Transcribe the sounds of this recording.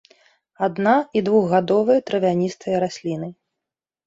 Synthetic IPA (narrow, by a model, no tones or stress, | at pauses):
ad̪naid̪vuɣɣad̪ɔvɐjɐt̪ɾɐvʲanʲist̪ʰɐjɐɾasʲlʲinɨ